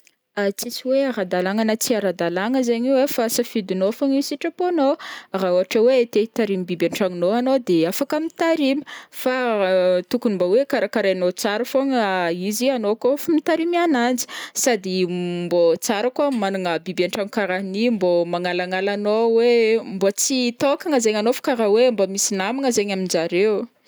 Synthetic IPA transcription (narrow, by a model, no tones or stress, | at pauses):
at͡sisiweaɾad̪alaŋanət͡siaɾad̪alaŋəzaɲiwefasafid̪inofoŋisiʈ͡ʂəponoraoaʈ͡ʂəwet̪eit̪aɾimibibaɳʈ͡ʂaŋinoanod̪eafakəmit̪aɾimə̥fat̪ukunimbowekaɾakaɾajnot͡saɾafoŋizianokofamit̪aɾimianand͡zi̥sad̪imbot͡saɾakuamanaŋəbibaɳʈ͡ʂaŋikaɾanimbomaŋalaŋalanowembot͡sit̪okaŋəzeɲanofḁkaɾawembamisinamiŋəzeɲaminzaɾew